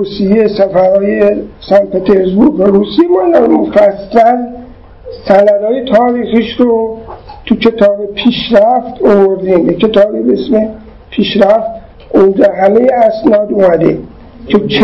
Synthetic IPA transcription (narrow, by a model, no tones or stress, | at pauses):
usijesæfæɾhɒːjesænpet̪ʰeɾsbuɾɡvæɾuːsimɒnd̪ænmofæsːæl | sænælɒːjet̪ʰɒːɾiːxiːʃɾot̪ʰucʰe̞t̪ʰɒːbepʰiːʃɾæft̪ovoɾd̪iːmbecʰe̞t̪ɒːbebeesme | pʰiːʃɾæft̪̚ | ʔond͡ʒɒɦæme̞jeæsnɒːd̪umæd̪ḛ | cʰet͡ʃʰ